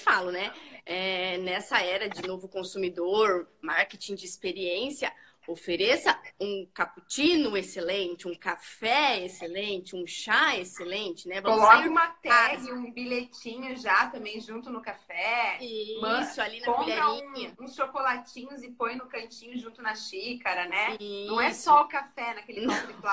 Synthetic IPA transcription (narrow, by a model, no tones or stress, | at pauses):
falʊnɛɛnɛsɐɛɾɐd͡ʒɪnovʊkõsumid̪oɾmaɾket͡ʃĩd͡ʒɪːspeɾiẽsjɐ | ofeɾesɐũkaput͡ʃĩnʊeselẽnt͡ʃɪũkafɛeselẽnt͡ʃɪũʃaeselẽnt͡ʃɪnɛvɐomlɔkɐũmɐt̪ɛɦɪũbiʎet͡ʃĩɲʊʒat̪ɐ̃mbẽj̃ʒũt̪ʊnʊkafɛimɐ̃sʊalinɐpõiʎaɾĩɲɐũsʃokolat͡ʃĩɲʊzɪpõj̃nʊkɐ̃t͡ʃĩɲʊʒũnt̪ʊnɐʃikɐɾɐnɛiɐ̃w̃ɛsɔʊkafɛnɐkelɪnõɾɪkla